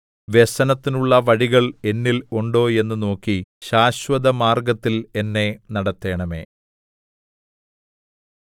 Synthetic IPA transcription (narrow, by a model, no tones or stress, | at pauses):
ʋesɐnɐt̪ːinuɭːɐʋɐɻiɣɐɭe̞nːiloɳɖo̞ːe̞nːɨno̞ːkːiɕaːɕʋɐd̪ɐmaːrɡɐt̪ːile̞nːe̞nɐɽɐt̪ːe̞ːɳɐme̞̰ː